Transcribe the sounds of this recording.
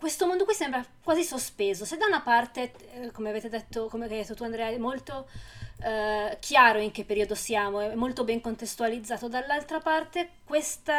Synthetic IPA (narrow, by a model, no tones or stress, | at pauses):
kwest̪omond̪okwisɛmbɾakwaːzisospeːzosed̪aunapart̪e | komeaveːt̪ed̪et̪ːokomeajd̪et̪ːot̪uand̪ɾɛːaɛmːolt̪o | k̟ʰjaːɾoiŋk̟epːeɾiod̪osjaːmoɛɛmːolt̪obɛŋkont̪est̪ualid̪zːaːt̪od̪alːalt̪ɾapart̪ekwest̪a